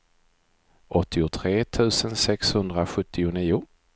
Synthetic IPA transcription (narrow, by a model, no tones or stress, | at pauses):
ʔɔt̪ːɪʊt̪ʰɾeːt̪ʰʉ̟ːsənsɛkshɵnd̪ɾaɧɵt̪ʰːɪʊniːʊ